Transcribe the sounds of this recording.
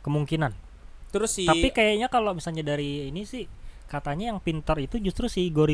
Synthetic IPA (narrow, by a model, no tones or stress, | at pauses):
kəmuŋkinan | t̪əɾʊsapikajaɲakalomisalɲadaɾiːnisɪhkat̪aɲajaŋpint̪ərit̪ud͡ʒust̪ɾusɪhɡoɾi